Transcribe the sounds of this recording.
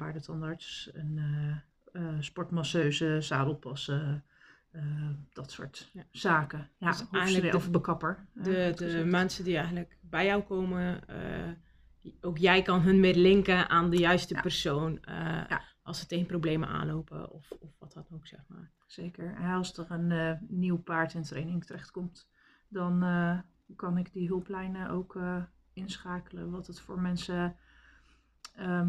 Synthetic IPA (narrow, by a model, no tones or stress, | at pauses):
baɹdətʰɑndaɹtsənə | spɔɹtmɑsøːzəsaːdlˠpɑsə | d̥ɔtsʊ̰ːɹtsaːkəaɛjɣənləʔovəɹbəkɑpəɹdədəmɛnsədiɛjɣənləkbɛjjɔwkoːmə̰ | oːkjɛjkɑnɦɵnmɪdəlɪŋkəʔaːndəjœɥstəpərsoːnəʔɑ̰lˠsəteɣənprowblejmə̰ʔa̰ːnlowpə̰ɔfɔfʋɑtɑtnoksɛxma̰ːɹ | sejkəɹɦɛɑlˠsdərənːiwpaːɹtɪntrejnɪŋtərɛχtkɔmt | dɔn | kɑnɪkdiɦɵlˠplɛjnəʔowkə | ɪnsχaːkələʋɑtətfʊːɹmɛnsə